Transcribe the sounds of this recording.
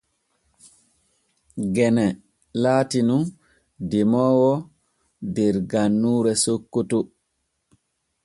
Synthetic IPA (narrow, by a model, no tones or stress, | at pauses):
ɡɛnɛ | laːtinun | dimɔːwɔ | dɛɾɡanːuːɾɛsokːutu